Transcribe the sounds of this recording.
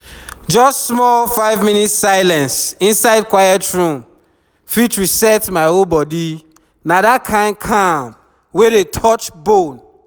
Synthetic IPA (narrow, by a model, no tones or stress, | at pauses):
d͡ʒɔstsmɔlfaɪvmĩnitsaɪlɛ̃nsĩnsaɪd̚kwajɛtɹũm | fit͡ʃɹisɛtmaɪolbɔdi | nadat̚kʰãɪ̃nd̚kʰãmp | wedetʰɔt͡ʃbõn